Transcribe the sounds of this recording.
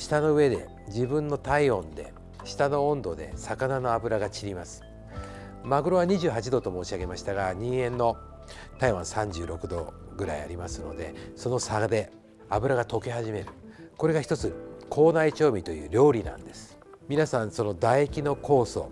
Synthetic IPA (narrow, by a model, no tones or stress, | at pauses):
ɕi̥t̪ano̞ɯ̟e̞d̪e̞̰ | d͡ʑibɯ̟̃nːo̞t̪aiõ̞nd̪e̞̰ | ɕi̥t̪anõ̞ːnd̪o̞d̪e̞̰sakanano̞abɯ̟ɾaɡat͡ɕiɾʲimasɨ̥ | maɡɯ̟ɾo̞βaɲ̟iʑɨːɦat͡ɕid̪o̞t̪o̞mo̞ːɕiaɡe̞maɕi̥t̪aɡaɲ̟ĩɰ̃ẽ̞nːo̞ | t̪aiβã̰ɰ̃sãɲ̟d͡ʑɨːɾo̞kɯ̟d̪o̞ | ɡɯ̟ɾa̰ḭa̰ɾʲimasɨno̞̰d̪e̞̰so̞no̞sad̪e̞ | abɯ̟ɾaɡat̪o̞ke̞ɦaʑime̞ɾɯ̟ko̞ɾe̞ɡaçi̥t̪o̞t͡sɨkʰo̞ːnait͡ɕo̞ːmʲit̪o̞jɯ̟̰ːɾʲo̞ːɾʲinã̰nd̪esɨ̥ | mʲinasãɰ̃so̞no̞d̪aiekʲino̞ko̞ːso̞̰